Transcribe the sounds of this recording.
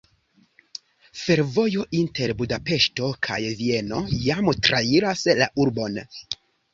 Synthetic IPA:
fe̞ɾvo̞jo̞ʔinte̞ɾbudape̞ʃto̞kʰa̰jvie̞no̞̰jamtɾaiɾasla̰ʔuɾbo̞n

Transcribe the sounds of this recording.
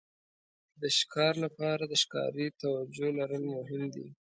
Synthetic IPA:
d̪əʃkʰɑɾlapɑɾad̪əʃkɑ̰ɾit̪awad͡ʒolaɾəlmʊɦɪmd̪ḭ

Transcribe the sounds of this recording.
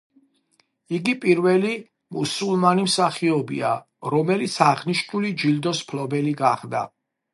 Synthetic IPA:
iɡipʼiɾvɛli | musulˠmanimsaχiɔbḭa̰ | ɾɔmɛlit̪sʰaʁniʃnulid͡ʒild̪ɔspʰlɔbɛliɡaχd̪a̰

